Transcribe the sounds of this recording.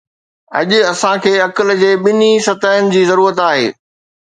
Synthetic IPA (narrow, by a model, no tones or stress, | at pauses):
ɐ̰ʄʊ̆ɐsãkʰeːɐkəld͡ʑeːɓɪnisɐt̪əɦənɪ̆d͡ʑiːzɐɾuːɾət̪aːɦḛː